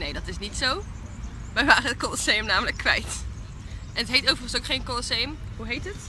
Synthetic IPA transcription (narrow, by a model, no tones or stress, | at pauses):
nejdɑtɪsnitsow | ʋɛjʋaːrəətkɔlsejəmnaːmələkːʋɛ̰jt | ʔɛnətɦejtowvərχənsowkχejnkɔlseəmɦuɦejtət